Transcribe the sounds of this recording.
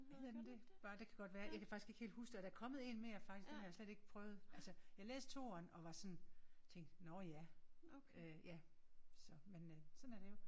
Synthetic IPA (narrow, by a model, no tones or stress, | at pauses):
ʋið̩ˠd̥emd̥e̝b̥ɑ̈ːd̥e̝kʰæɡ̥ɒ̽d̥ʋæːɐjɑ̈ɪkʰæfɑ̈ɡ̥isɡ̥e̝ɡ̥he̝̰ld̥husd̥eɒɾ̥æɐkʰɒ̽mð̞̩ˠe̝̰ːnmejɑfɑ̈ɡ̥isɡ̥ehɑjɑsleɾ̥e̝ɡ̥pʰʁœːʊð̩ˠʔælsəjɑ̈ɪlḛːsd̥t͡sʰo̝̰ːɐnɒ̽ʋɑ̈sɒ̽nt͡sʰeŋ̰ɡd̥nɒjæ | øjæsɒ̽mensɒ̽næɐɾ̥e̝jo